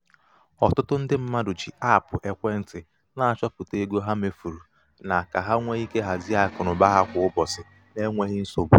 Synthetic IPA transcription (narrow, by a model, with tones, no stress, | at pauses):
ɔ˨tʊ˦tʊ˦n̩˦dɪ˦m̩˦ma˦dʊ˨t͡ʃi˨a˦˨pʊ˨ʔe˨kʷe˦n̩˨tɪ˨ | na˨a˨t͡ʃɔ˦pʊ˨te˦ɡo˦ɦa˦me˨fu˨ɾu˨ | na˨ka˨ɦa˦ŋʷe˦i˦ke˦ɦa˨zi˦a˦˨kʊ˨nʊ˨ba˦ɦa˦kʷʊ˨ʊ˦bɔ˨sɪ˨ | ne˦ŋʷe˦ɦɪ˦n̩˦so˨bu˨